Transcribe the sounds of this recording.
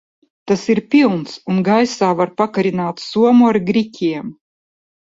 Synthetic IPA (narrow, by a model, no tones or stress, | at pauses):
t̪asiɾpʲilˠnsunɡajsaːvaɾpakaɾinaːt̪suɔmuaɾɡɾikʲʰiɛm